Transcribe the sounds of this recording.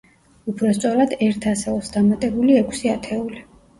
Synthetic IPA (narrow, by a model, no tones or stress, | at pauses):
upʰɾɔst̪sʼɔɾad̪ɛɾt̪ʰasɛɔsd̪amat̪ʼɛbuliɛkʰsiat̪ʰɛuli